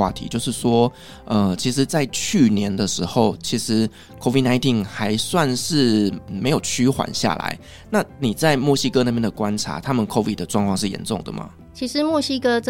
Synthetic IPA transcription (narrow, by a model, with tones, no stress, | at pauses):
wa̰˥˧t̪ʰḭ˧˥t͡ɕjo˥˧ʊʂɻ̩˥˩ʂwɔ˥ | ʔə˨˩t͡ɕʰi˧˥ʂ̬ɻ̩˧˦t͡sa˥˧ɪt͡ɕʰy˥˩njɛ˧˦nd̪ə˨ʂɻ̩˧˥xo˥˩ʊt͡ɕʰi˧˥ʂɻ̩˧˥ | kʰo˥vi˥˩na˥ɪt̪ʰi˥˩ŋxa˧˥ɪswa˥˧nʂɻ̩˥˩me˧˥ɪjo˨˩ʊt͡ɕʰy˥xwa̰˨˩nɕja̰˥˩la̰˨˧˦ɪ | na˥˨ni˨˩t͡sa˥˧ɪmwɔ˥˨ɕi˥kɤ˥na˥˧˩pjɛ˥nd̪ə˨kwa˦˥nʈ͡ʂʰa̰˧˥˦t̪ʰa˥mə˨nkʰɔ˥vḭ˥˩d̚d̪ə˩ʈ͡ʂwɑ˥˧ŋkʰwɑ˥˧ŋʂɻ̩˥˩jɛ̰˧˥nt͡sʊ̰˥˩ŋd̪ə̰˩mɐ̰˩ | t͡ɕʰi˧˥ʂɻ̩˧˦mwɔ˥˨ɕi˥kə˥t͡s